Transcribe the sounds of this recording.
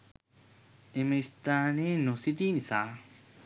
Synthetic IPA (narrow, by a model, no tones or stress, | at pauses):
emɐist̪aːneːnosiʈiːnisaː